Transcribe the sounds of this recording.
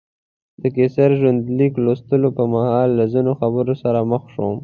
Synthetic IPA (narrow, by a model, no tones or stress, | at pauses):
d̪̥əkesaɾʒwand̪liklost̪əlopəmahɑlːazinoxabəɾosaɾaməxʃom